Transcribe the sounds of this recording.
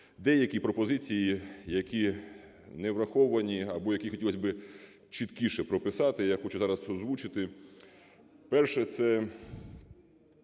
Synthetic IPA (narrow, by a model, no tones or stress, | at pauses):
d̪ɛjɐkʲipɾɔpɔzɪt͡sʲijijɐkʲi | nɛʋɾɐxɔʋɐnʲiɐbɔjɐkʲixɔtʲilˠɐzʲbɪ | t͡ʃɪt̪kʲiʃɛpɾɔpɪsɑt̪ɪjaxɔt͡ʃʊzɑɾɐsɔzʋut͡ʃɪt̪ɪ | pɛrʃɛt̪sɛ